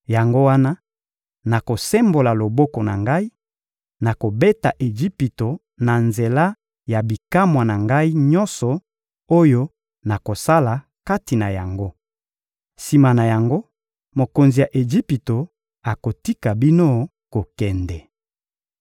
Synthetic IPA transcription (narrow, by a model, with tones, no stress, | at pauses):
ja˨ŋɡo˦wa˦na˦ | na˨ko˨sɛ˦mbo˨la˨lo˨bɔ˦kɔ˨na̰˨ŋɡa˦i˦ | na˨ko˨be˦ta̰˨ʔe˨d͡ʒi˦pi˨to˨ | na˨nze˨la˦ | ja˨bi˨ka˦mwa˨na˨ŋɡa˦i˦ɲɔ̃˦nsɔ˨ | o˦jo˦ | na˨ko˨sa˦la˨ | ka˦ti˨na˨ja˨ŋɡo˦ | si˨ma˨na˨ja˨ŋɡo˦ | mo˨ko˨nzi˨ja˨ʔe˨ʒi˦pi˨to˨ | a˨ko˨ti˦ka˨bi˦no˦ | ko˨kɛ˨ndɛ˨